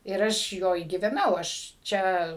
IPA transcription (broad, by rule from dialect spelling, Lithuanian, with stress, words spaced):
ɪr ˈɐʃ ˈjoːj ɡʲiːʋʲɛˈnɐʊ ɐʃ ˈt͡ʃʲɛ